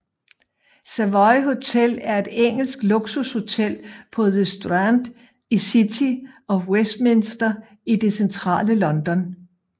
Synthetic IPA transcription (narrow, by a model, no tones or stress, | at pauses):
sæʋɒɪɦo̝t͡sʰel̰æɐe̝d̥eŋ̰l̩sɡ̥loɡ̥susho̝t͡sʰel̰pʰɒ̽ðəsd̥ʁænd̥ | isit͡sʰiʔɒ̽wesd̥̚me̝nsd̥ɐ | id̥e̝sent͡sʰʁɑ̰̈ːləlɒ̽nd̥ɒ̽n